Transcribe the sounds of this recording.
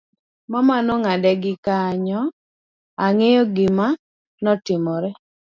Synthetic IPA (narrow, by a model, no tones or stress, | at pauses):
mamanɔŋadɛɡɪkaɲɔ | aŋejɔɡɪma | nɔtɪmɔɾɛ